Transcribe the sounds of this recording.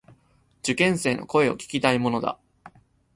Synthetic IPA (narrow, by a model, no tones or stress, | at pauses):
d͡ʑɨkẽ̞ɰ̃se̞ːno̞̰ko̞e̞o̞̰kʲi̥kʲit̪aimo̞no̞d̪a̰